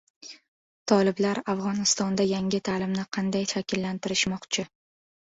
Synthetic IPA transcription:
t̪ʰɒlɪblaɾafʁɒnɪst̪ɒnd̪ajaŋʲɪt̪ʰaːlɪmnɪqʰɑnd̪ajʃakʲʰɪlːant̪ʰɪɾɪʃmɒqt͡ʃʰɪ

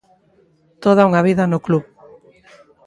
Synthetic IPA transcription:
t̪oð̞ɐuŋaβ̞iðɐnʊkluβ

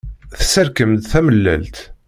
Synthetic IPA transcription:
θsəɾkəmt̪θæməlːæ̰lt̪

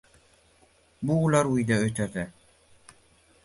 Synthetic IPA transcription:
buːlˠaɾujd̪aøt̪ɛɾd̪ɛ

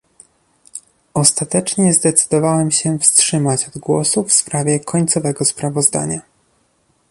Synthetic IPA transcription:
ɔst̪at̪ɛt͡ʂɲɛzd̪ɛt̪sɘ̥d̪ɔvawɛmɕɛfstʂɘmat͡ɕɔd̪ɡwɔ̰sufspɾavʲjɛkʰɔɲt̪sɔvɛɡɔspɾavɔzd̪a̰ɲa

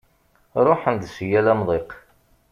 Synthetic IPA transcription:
ɾˤoħənd̪sjælæmðˤeq

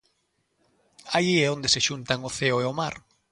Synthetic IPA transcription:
ajiɛond̪eseʃunt̪aŋʊθeoeʊmaɾ

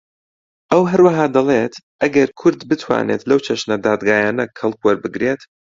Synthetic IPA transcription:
ʔɐwɦɐɾwɐɦaːd̪ɐlˠeːt̪ʔɐɡɐɾkʰʊɾd̪bɨt̪ʰwa̰ːnḛt̪lɐwt͡ʃʰɐʃnɐd̪aːd̪ɡaːjaːnɐkʰɐlˠkwɐɾbɨɡɾeːt̪

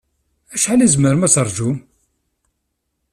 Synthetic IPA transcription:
æʃħalæzməɾmæt͡səɾˤʒun

